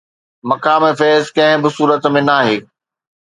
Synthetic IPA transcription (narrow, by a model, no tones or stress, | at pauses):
mɐkaːmefɛːzkɐ̃ɦɪ̃bɪsuːɾət̪mẽnaːɦeː